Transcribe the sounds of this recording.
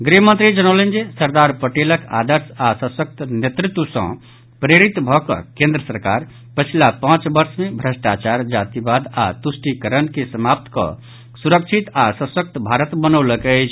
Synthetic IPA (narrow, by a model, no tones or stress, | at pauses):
ɡɾiɦmə̃nt̪ɾid͡ʒənəlend͡ʒesəɾd̪aɾpəʈeləka̰d̪əɾsasə̃sək̚t̪njet̪ɾit̪wusʌ̰̃ | pɾeɾit̪bʱɔkʌ̰kẽnd̪ɾəsəɾka̰ɾ | pət͡ʃʰilapãt͡ʃbəɾsmebʱɾəsʈat͡ʃaɾd͡ʒat̪ibad̪a̰t̪usʈikəɾənkesəmap̚t̪kʌ̰ | suɾək̚t͡ʃʰit̪asə̃sək̚t̪bʱaɾət̪bənəwləkɛt͡ʃʰ